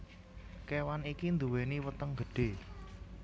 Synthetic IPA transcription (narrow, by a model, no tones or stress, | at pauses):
kewanikind̪uweniwət̪əŋɡ̥əɖ̥e̤